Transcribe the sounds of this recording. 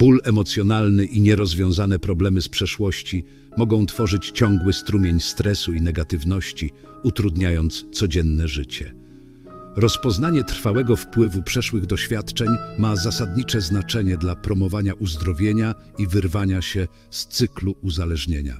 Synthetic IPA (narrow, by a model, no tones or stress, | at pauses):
b̥ulɛmɔt̪sʲjɔnalnɘʔiɲɛɾɔzvʲjɔ̃w̃zanɛpɾɔblɛmɘspʂɛʂwɔɕt͡ɕi | mɔɡɔ̃w̃t̪fɔʐɘt͡ɕt͡ɕɔŋɡwɘst̪ɾumʲjeɲst̪ɾɛsuinɛɡat̪ɘvnɔɕt͡ɕi | ut̪ɾud̪ɲajɔnt̪st̪sɔd͡ʑɛnːɛʐɘt͡ɕɛ | ɾɔspɔznaɲɛt̪ɾ̥fawɛɡɔfpwɘvupʂɛʂwɘɣd̪ɔɕfʲjat̪t͡ʂɛɲmazasad̪ɲit͡ʂɛznat͡ʂɛɲɛd̪lapɾɔmɔvaɲaʔuzd̪ɾɔvʲjeɲa | ivɘɾvaɲaɕɛ | st̪sɘkluuzalɛʐɲeɲa̰